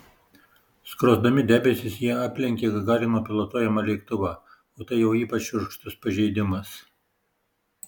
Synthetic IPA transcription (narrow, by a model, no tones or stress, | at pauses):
skɾoːzd̪ɐmʲɪd̪ʲæːbʲɛsʲɪsjiɛɑːpʲlʲɛŋʲkʲeːɡɐɡɑːɾʲɪnoːpʲɪlˠɐt̪oːjɛmɑlʲɛɪkt̪ʊʋɑː | oːt̪ɐɪjɛʊiːpɐt͡ʃʊɾkʃt̪ʊspɐʒʲɛɪd̪ʲɪmɐs